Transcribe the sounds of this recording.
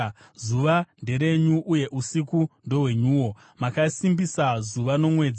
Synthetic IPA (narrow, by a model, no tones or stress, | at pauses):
zuʋande̞ɾe̞ɲuʔuje̞ʔusikundo̞we̞ɲuːwo̞ | makasimbisazuʋano̞mwe̞ːd͡za